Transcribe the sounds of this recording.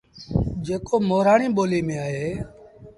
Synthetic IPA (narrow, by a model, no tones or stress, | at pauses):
d͡ʒeːkoːmoːɾaːɳiːɓoːliːmẽːaːɦeː